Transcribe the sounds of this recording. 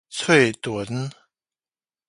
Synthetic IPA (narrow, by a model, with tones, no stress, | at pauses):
t͡sʰwe˥˩ɪt̪wə˧˦n